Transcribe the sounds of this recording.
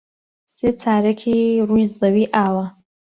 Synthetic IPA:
set͡sʰaːɾɪkʲʰiruizawiʔawa

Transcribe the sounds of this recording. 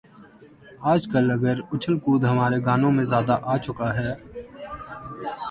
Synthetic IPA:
aːd͡ʒkəlɐɡəɾʊt͡ʃʰəlkuːd̪ɦɐmaːɾeɡaːnõmẽzjaːd̪aʔaːt͡ʃʊkaɦɛː

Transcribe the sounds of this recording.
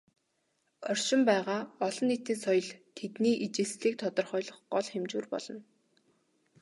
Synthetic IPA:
ɔr̥ʲʃɪ̆mpæːʁaːɔɮɞ̆nːet̪iːnsɔjɞ̆ɮt̪ʰet̪niːʔit͡ɕɪ̆ɮsɮiːk̚t̪ʰɔt̪ɞ̆rχɔjɮɞ̆χɢɔɮχemt͡ɕuːrpɔ̰ɮ̥ɞ̆n

